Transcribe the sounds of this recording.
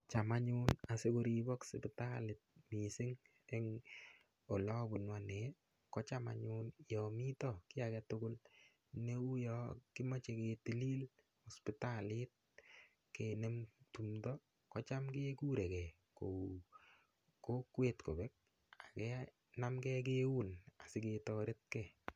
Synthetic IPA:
t͡ʃa˨ma˦ɲʊna˨se˦ko˦ɾi˨bɔ˦ksɪ˨pɪta˦lɪ˨t̚mi˨sɪ˦ŋ | ɛ˦ŋ | o˨lɔ˦bu˨nwa˨nɛ˨ | kɔ˦t͡ʃa˦ma̰˨ɲʊnjɔ˨mi˦tɔkɪ˦akɛ˦tʊ˦ɡʊ˦l | ne˦u˦jɔkɪ˦ma˦t͡ʃe˨ke˨ti˨li˦l | ɔ˨spi˦ta˦lɪ˦t̚ | ke˨nɛ˦mtu˨mdɔ˦ | kɔ˦t͡ʃa˦mke˦ku˦ɾɛ˨kɛ˨ | ko | ko˦kwe˨tko˨bɛ˦k̚ | a˨kɛ˦ | na˦mkɛ˦k̬e˦wu˦na˨sɪ˨˦ke˧tɔɾe˦t̚kɛ˨

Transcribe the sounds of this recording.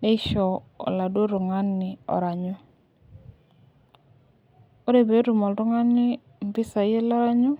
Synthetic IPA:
ne˦ʃɔ˨ɔ̰˨la˨dwo˦ɾʊ˨ŋa˦nːɪ˨ɔ̰˨ɾa˨ɲʊ˦ | o˦ɾe˦˨be˨˦ɾu˨mɔ˨lɾʊ˦ŋa˦nːɪ˦ | m˨bɪ˦sa˨je˦lɔ˦ɾa˦ɲu˦

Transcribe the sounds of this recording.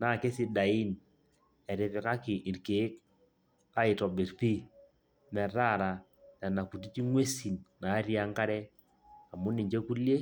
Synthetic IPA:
na˨ke˦si˨da˨i˦n | ɛ˨ɾɪ˨pɪ˨ka˦kɪ˨ʔi˨ɾke˨˦k | a˦ɪ˨tɔ˨be˨ɾpi˦ | nɛ˨ɾa˦˨ɾa˨ | nɛ˨na˨ku˨ti˦t͡ʃi˦ŋwe˦si˨nna˨˦ɾja˦ŋka˦ɾɛ˦ | a˨mʊ˦ni˨ɲd͡ʒe˦ku˦lje˦

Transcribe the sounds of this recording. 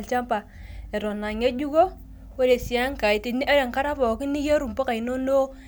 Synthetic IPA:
lt͡ʃa˦mpa˨ | e˨ɾɔ˨na˨ɲe˦d͡ʒu˦ɡo˦ | we˦de˨si˨a˦ŋka˨i˨ti˨ni˦a˦ɾe˨ŋka˦ɾa˦fɔ˨ki˦ni˦je˦ɾu˨mpo˦ka˨i˨no˦no˦

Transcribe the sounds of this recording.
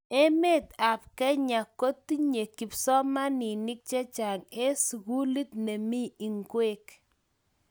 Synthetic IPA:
ɛ˦me˦t̪a˨p̚kɛ˦ɲa˨ko˦t̪i˦ɲe˨ki˨psɔ˦ma˦ni˨ni˦k̚t͡ʃɛ˦t͡ʃa˨ŋe˦sɣu˦li˦t̪̚nɛ˨mi˦i˨ŋɡwe˦k

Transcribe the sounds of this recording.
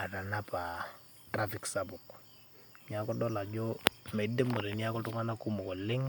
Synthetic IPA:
a˨ta˨na˦pa˨ | tɾa˦fi˨ksabu˨k | ni˦a˦kɔdɔ˦la˨d͡ʒɔmɛ˨de˦mo˨ɾe˨ni˦a˦kɔ˦tu˦ŋa˦na˦ku˦mɔ˨kɔ˨lɪ˦ŋ

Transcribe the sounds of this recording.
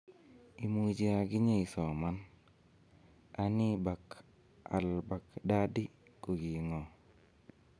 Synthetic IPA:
imud͡ʒi˦aɡi˦ɲe˦i˨sɔ˨man | aniba˨k | a̰lba˨kda˦di˦kuɡi˨ŋɔ

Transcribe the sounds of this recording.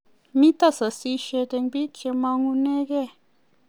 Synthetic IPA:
mi˦t̪a˦sa˨si˦ʃe˧t̪e˧ŋbi˦kʰe˧ma˧ŋu˧ne˦ɡe˦˨

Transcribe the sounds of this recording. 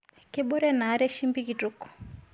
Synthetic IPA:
kɪ˦ɓɔ˦ɾɛ˦na˨˦ɾɛ˦ʃi˦mbi˦ki˨tu˦kɔ̥˨

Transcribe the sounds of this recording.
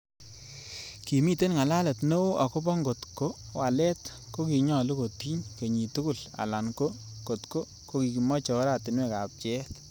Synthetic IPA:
ki˨mi˦te˦nŋa˨la˦lə˨tno˦o˦ʔa˨ko˦pɔ˦ŋɡo˨tko˦wa˨lɛ˦t | ko˦ki˨ɲɔ˨lu˦ko˨ti˦ɲke˨ɲi˨tu˦ku˦˨la̰˨la˨nko˦ko˨tko˦ | ko˦ki˨ki˨mɔ˦t͡ʃɔ˨˦ɾa˨tɪ˨nwɛ˨ka˨p̚t͡ʃɛ˦t

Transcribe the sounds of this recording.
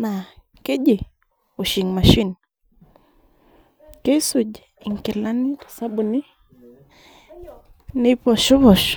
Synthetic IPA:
na˨ | ke˦ʄe˨ | u˨ʃi˨ŋma˨ʃi˦n | ke˦su˨ʄɛ | i˨ŋkɛ˨la˦ni˦kḁ˨sa˦ɓu˨ni˦ | nipɔ˨ʃɔ˦βɔ˨ʃ

